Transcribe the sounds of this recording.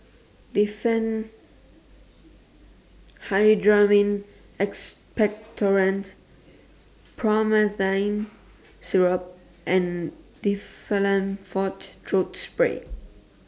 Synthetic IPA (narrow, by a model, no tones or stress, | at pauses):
difɛ̃n | hajdɹamĩn | ɛkspɛk̚tʰɔɹə̃nt | pʰɹɔməθãjn | siɹəp̚ | ʔɛ̃ndifɛlə̃nfɔttʰɹotspɹḛ